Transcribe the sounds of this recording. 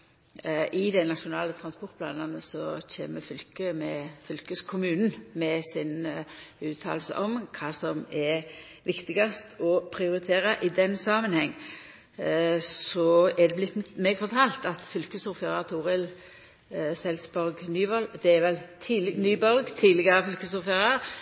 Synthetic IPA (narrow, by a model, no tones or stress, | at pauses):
ʔɪd̪ɛnɑʃʊnɑːlət̪ʰʁɑnspɔʁt̪̚pʰlɑ̰ːnɑnəsɔt͡ʃʰḛːməfʏlkəmɛfʏlkəskʰʊmʉːnn̩mɛsɪnʉːt̪ʰɑ̰ːlsə̰ʔɔmkʰɑːsɔmɛ | ʋɪkt̪ɪɡɑst̪ɔpʰʁɪʊɾɪt̪ʰeːʁɑʔɪd̪ɛnːsɑːmənhɛŋː | sɔæd̪ɛblɪt̪mɛːɡfɔʁt̪ʰɑːlt̪ɑt̪fʏlkəsʊʁfəʁɑt̪ʰuːʁɪl | sɛlsbɔɾɡnyːbɔlːd̪ɛæɾʋɛlt̪ʰiːlɪnyːbɔɾɡt̪ʰiːlɪɡɑʁəfʏlkəsʊfəʁɑ